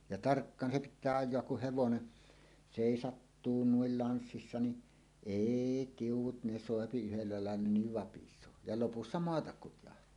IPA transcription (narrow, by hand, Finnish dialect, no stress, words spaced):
jɑ tɑrkːɑːn se pitˑæː ɑjˑoɑk kuh heʋone seˑisɑtːuː nuil iɑnsːisːɑ niʔ eˑi tiuwˑut ne soˑepi yhelːæ lɑˑelːɑ niʋ ʋɑpisˑoː jɑ lopusːɑ moɑtɑk kutjɑhtˑɑː